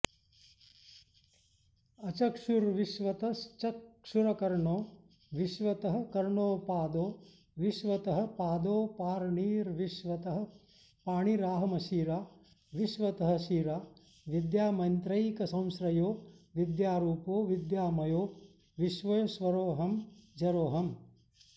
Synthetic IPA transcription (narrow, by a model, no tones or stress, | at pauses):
ɐt͡ʃɐkʂuɾʋiʃʋɐt̪ɐt͡ʃɐkʂuɾɐkɐɾɳoː | ʋiʃʋɐt̪ɐɦɐ̆kɐɾɳoːpaːd̪oː | ʋiʃʋɐt̪ɐɦɐ̆paːd̪oːpaːɾɳiːɾʋiʃʋɐt̪ɐɦɐ̆ | paːɳiɾaːɦɐmɐʃiːɾaː | ʋiʃʋɐt̪ɐɦɐ̆ʃiːɾaː | ʋid̪jaːmɐnt̪ɾɐjkɐsɐ̃w̃sɾɐjoːʋid̪jaːɾuːpoːʋid̪jaːmɐjoː | ʋiʃʋɐjɐʃʋɐɾoːɦɐmd͡ʒɐɾoːɦɐm